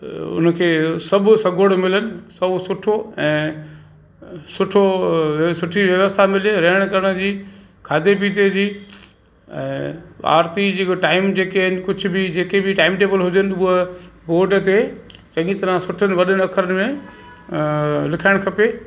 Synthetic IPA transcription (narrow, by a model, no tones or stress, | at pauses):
ʊ̰nkʰeːsɐbʱsɐɡʱoɽmɪlənɪ̆sɐbʱsʊʈʰoɛ̃ː | sʊʈʰosʊʈʰiʋjɐʋəst̪ʰamɪleɾɐɦɪəɽ̃kɐɾəɽ̃d͡ʑiː | kʰaːd̪ʱep̬iːt̪ed͡ʑiː | ɛ̰̃ːa̰ːɾt̪id͡ʑiːkoʈaːɪmd͡ʑeːkeɪnɪ̆kʊd͡ʑʱʊbɪd͡ʑeːkebʱɪʈaːɪmʈeːbəlɦʊd͡ʑənɪ̆uɦəboːɖt̪e | t͡ɕɐ̃ŋɡĩt̪ɐɾãsʊʈʰənɪ̆ʋɐɗənɪɐkʰəɾənɪ̆mẽ | lɪkʰaɪɽ̃kʰɐpeː